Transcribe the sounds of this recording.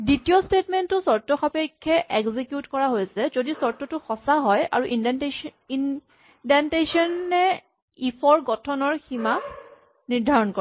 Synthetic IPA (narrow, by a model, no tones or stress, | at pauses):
ditijɔstetmɛntːʊsɔɹtɔxapɔkʰːɛʔɛɡzikjutkɔɹaɦojasɛzodisɔɹtɔtʊxɔsaɦɔja̰ɹuʔindn | in | dentesɔnːɛ | ipʰɔɹɡɔtʰɔnɔɹxima | niɹdʱaɹɔnkɔ